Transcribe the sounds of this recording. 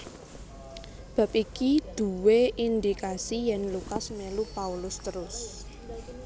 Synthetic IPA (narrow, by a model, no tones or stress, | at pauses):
b̥ä̤p̚ikid̪̥ṳweʔind̪ikasijɛnlukasmelupaulʊst̪əɾʊs